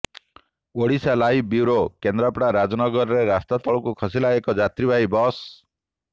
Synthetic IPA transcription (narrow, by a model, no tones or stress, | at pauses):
oɽisalaɦibiɾokend̪ɾapɽaɾad͡ʒɔnɔɡɔɾɔɾeɾast̪at̪ɔɭɔkukʰɔsilaekɔd͡ʒat̪ɾibʱaɦibɔs